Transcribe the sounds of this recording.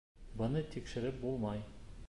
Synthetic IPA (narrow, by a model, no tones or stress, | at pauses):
bɤ̆nɤt̪ʰikʃɘ̆ɾɘp̚bulˠmɑj